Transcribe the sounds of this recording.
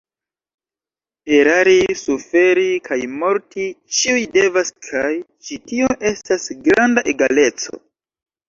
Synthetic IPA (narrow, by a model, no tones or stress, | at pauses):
pe̞ɾaɾisufe̞ɾikʰajmo̞ɾtit͡ʃiujde̞vaskʰaj | t͡ʃitio̞ʔe̞stasɡɾandaʔeɡale̞t͡so̞̰